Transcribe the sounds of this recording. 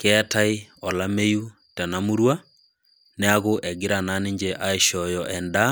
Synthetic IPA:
kɛataiɔlameju | tanamuɾwa | neaɣoʔɛɡɪɾananeɲd͡ʒɛʔaeʃɔjɔʔɛnda

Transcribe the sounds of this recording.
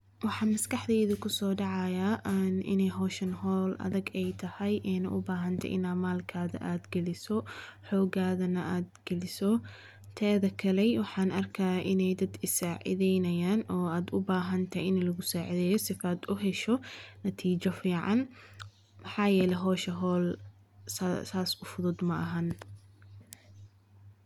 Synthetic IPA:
wɑħɑːnmɐskɐħd̪ɛːðʊkʰʊsɔːɖɑʕɑjaʔnʔɪ̰nɛjɦɔːʃɐnhɔːlʔɐ̰ðɐɡɛjt̪ʰɐhɐjʔɛːnɐ̰ʔʊbaːɦɐnt̪ʰɐ̰ʔɪ̰naːmaːlkʰaːðɐ̰ʔaːd̪ɡɛlɪsɔħɔːɡaːðɐnɐʔaːd̪ɡ̥ɛlɪsɔ | t̪ʰɛːðɐkʰɐlɛjwɑħɑːnɐrkʰɐaʔɪnɛjd̪ɐd̪ɪsaːʕɪ̰ðɛjnɐjaːnɔːaːd̪ʊbaːɦɐnt̪ʰɐʔɪnlɐɣʊsaːʕɪðɛːjɔsɪfaːd̪ʊɦɛʃɔnɐt̪ʰiːt͡ʃɔfiːʕɑn | mɑħɑːjɛːlɛɦɔːʃɐɦɔːl | saːsʊfʊðʊd̪mɐʔɐɦɐn

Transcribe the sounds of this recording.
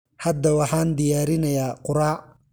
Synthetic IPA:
hɐd̪ɐwɑħɑːnd̪ɪjaːɾɪnɐjaːqʊɾaː

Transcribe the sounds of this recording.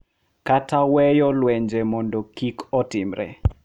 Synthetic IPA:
katawɛjɔlwɛɲd͡ʒemɔndɔkikʰɔtɪmɾɛ̰

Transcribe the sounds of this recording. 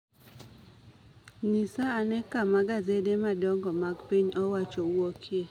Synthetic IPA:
nisaːnɛkamaɡazedemadɔŋɡɔmaɡpiɲɔwat͡ʃowokʰje

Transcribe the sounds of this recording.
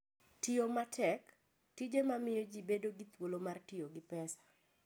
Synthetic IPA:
tɪomatʰɛk | tid͡ʒemamɪjod͡ʒibedoɡit̪wolomartɪoɡɪpɛsḁ

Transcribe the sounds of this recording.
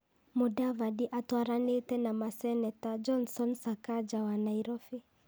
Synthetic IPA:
mudavadiʔatwaɾanetɛnamasɛnɛtad͡ʒɔnsɔnsakad͡ʒawanaiɾɔfi

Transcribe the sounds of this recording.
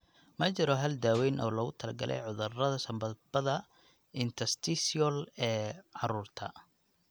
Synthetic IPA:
mɐt͡ʃɪɾɔɦɐld̪aːwɛːnʔɔːlɐɣʊt̪ʰɐlɐɡɐlʔɛ̰jʕʊðʊrɐðɐsɐmbɐð̚bɐðɐ | ɪnt̪ʰɐst̪ʰɪsiɔlɛːʕɑruːrt̪ʰɐ̰

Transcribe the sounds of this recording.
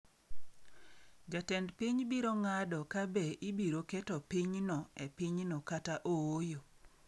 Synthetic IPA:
d͡ʒatɛndpiɲbiɾoŋadɔkabeʔibiɾokɛtɔpiɲnɔɛpiɲnɔkataʔowojo

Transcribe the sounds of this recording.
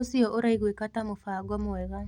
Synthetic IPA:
siɔʔoɾaiɣwekatamofaːɡwɔmowɛɣa

